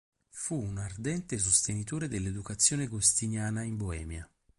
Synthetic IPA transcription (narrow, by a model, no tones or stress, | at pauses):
fuːnard̪ɛnt̪es̬ost̪enit̪oːɾed̪elːed̪ukat̪sːjoːneɡost̪injaːnaimboɛ̰ːmja